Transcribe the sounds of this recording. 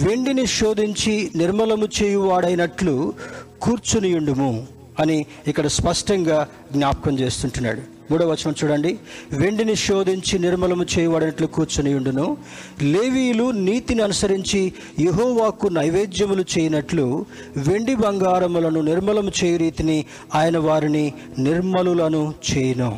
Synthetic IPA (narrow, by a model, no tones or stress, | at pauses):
ʋe̞ɳɖiniʃoːd̪iɲt͡ʃiniɾmɐlɐmut͡ʃeːjuʋaːɽɐjinɐʈlukuːɾt͡ʃunijuɳɖumu | ɐni | ikːɐɽɐspɐʂʈɐŋɡaː | ɡnʲaːpɐkɐmt͡ʃe̞ːst̪uɳʈunːa̰ːɽu | muːɽɐʋɐt͡ʃːɐnɐmt͡ʃuːɽɐɳɖiʋe̞ɳɖiniʃoːd̪iɲt͡ʃiniɾmɐlɐmut͡ʃeːjuʋaːɽɐnɐʈlukuːɾt͡ʃunijuɳɖunu | leːʋiːjluniːt̪iniɐnusɐɾiɲt͡ʃi | jeɦoːʋaːkunɐjʋeːd̪jɐmulut͡ʃeːjɐnɐʈlu | ʋe̞ɳɖibɐŋɡaːɾɐmulɐnuniɾmɐlɐmut͡ʃeːjiɾiːt̪ini | aːjɐnɐʋaːɾini | niɾmɐlulɐnut͡ʃɛːjɐnoː